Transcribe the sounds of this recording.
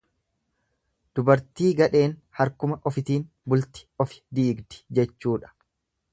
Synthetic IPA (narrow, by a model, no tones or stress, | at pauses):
d̪̥ʊbɐɾt̪iːɡɐᶑe̞ːnhɐɾkʊmɐʔɔfɪt̪iːn | bʊlt̪ɪ̥ɔfɪ̥d̪iːɡd̪ɪ̥d͡ʒɛt͡ʃːuːᶑɐ̥